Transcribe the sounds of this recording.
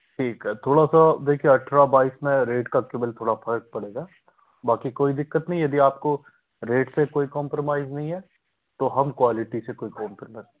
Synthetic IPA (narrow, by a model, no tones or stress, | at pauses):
ʈʰiːkɦɛt̪ʰoːɽasad̪eːkʰieɐʈʰɾabaːismẽɾeːʈkakebəlt̪ʰoːɽapʰɐɾək̚pɐɽeːɡaː | baːkikoːid̪ɪkːət̪nɐɦĩjɐd̪iaːp̚ko | ɾeːʈsekoːikɔ̃ːmpɾomaːɪznɐɦĩɦɛ | t̪oɦɐmkwaːlɪʈisekoːikɔ̃ːmpɾomaːɪz